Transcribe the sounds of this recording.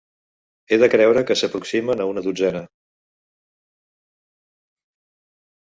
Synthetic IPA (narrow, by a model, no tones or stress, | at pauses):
eðəkɾɛwɾəkəsəpɾuksimənəunəðud͡zɛnə